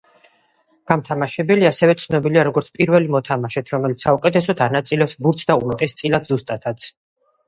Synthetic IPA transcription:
ɡ̥amt̪ʰamaʃɛbɛliasɛvɛt̪sʰnɔbiliaɾɔɡɔɾt̪sʰpʼiɾvɛlimɔt̪ʰamaʃɛt̪ʰɾɔmɛlit̪ssaukʼɛt̪ʰɛsɔt̪ʰanat̪sʼilɛsbuɾt̪sʰd̪aumat̪ʼɛst̪sʼilad̪zust̪ʼat̪ʰat̪sʰ

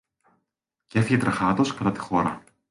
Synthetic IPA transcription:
cefiçet̪ɾɐxɐt̪o̞skɐt̪ɐt̪i̥xo̞ɾɐ

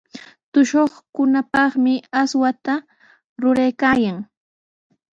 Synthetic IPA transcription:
t̪ʊʃoχkʊnapɑχmɪaswat̪a | ɾʊɾajkaːjaŋ

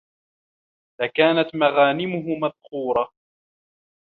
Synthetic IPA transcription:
lakaːnat̪maɣaːnɪmʊɦʊmaðxuːɾˤɑ

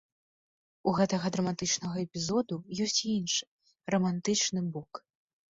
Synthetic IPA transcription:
uɣɛt̪ɐɣɐd̪ɾɐmat̪ɨt͡ʂnɐɣɐɛpʲizɔd̪ujɔsʲt͡sʲinʂɨ̥ | rɐmant̪ɨt͡ʂnɨbɔk

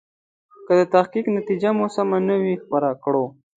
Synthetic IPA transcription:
kəd̪ət̪axkiknat̪id͡ʒamosamanəwixpəɾakɽo

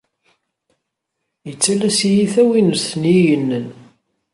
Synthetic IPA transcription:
jət͡sːælæsijiθæwinəsənjijənːən

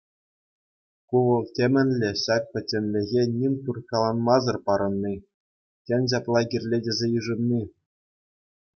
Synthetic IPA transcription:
kuʋɤ̆lˠtʲemʲɘ̆nʲlʲĕɕɑk̚pʲɘ̆tʲːɘ̆nʲlʲɘ̆ɣʲenʲimʲt̪urkɑlˠɑnmɑzɤ̆rpɑɾɤ̆nːi | tʲenʲɕɑplˠɑɡʲirʲlʲedʲɘ̆zʲejɯʐɤ̆mnʲi

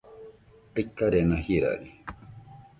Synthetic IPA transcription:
ekːaɾenãhiɾa̰ɾi

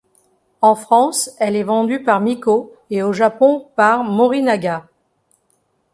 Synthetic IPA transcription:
ɑ̃fχɑ̃sɛlɛvɑ̃d̪ypaʁmiko | eoʒapɔ̃paʁmɔʁinaɡa

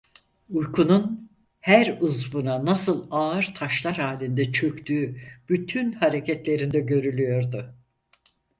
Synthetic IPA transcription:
ujkʰunun | hæɾuzbunanasɯlˠaɯɾt̪ʰaʃlˠaɾhaːlʲind̪ɛt͡ʃʰø̞kt̪ʰyːb̥yt̪ʰynhaɾe̞cʰɛt̪lʲe̞ɾind̪ɛɟø̞ɾylʲyjo̞ɾd̪ʊ

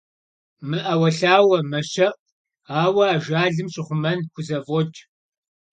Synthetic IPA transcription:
mɨʔɐwɐɬaːwɐmɐʃɐʔ | aːwɐaːʒaːɮɨmɕʼɪχʷʊmɐnkʷʰʊzɐvɔt͡ʃʼ

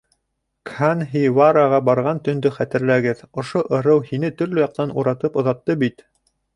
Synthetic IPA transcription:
kanɦivaɾaʁɑbɑɾʁɑnt̪ɵ̆nd̪ɵχæt̪ɘ̆ɾlæɡɘðŏʃoʔɤ̆ɾɤwhinɘt̪ɵ̆ɾlɵ̆jɑq̚t̪ɑnuɾɑt̪ɤpŏðɑt̪ːɤbit̪

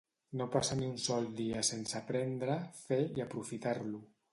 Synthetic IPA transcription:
nopasaniunsɔlˠd̪iasensapɾɛnd̪ɾəfeiapɾufit̪aɾlu

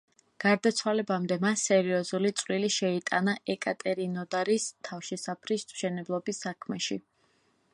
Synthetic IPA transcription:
ɡ̥aɾd̪at̪sʰwalɛbamd̪ɛmasːɛɾiɔzulit̪sʼwliliʃɛit̪ʼanaʔɛkʼat̪ʼɛɾinɔd̪aɾist̪ʰafʃisapʰɾist̪ʼʃɛnɛblˠɔbisːakʰmɛʃḭ

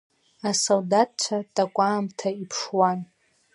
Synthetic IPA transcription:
asoldat̚t͡ʃʷʰatʼakʷʼaːmtʰaipʰʂwan

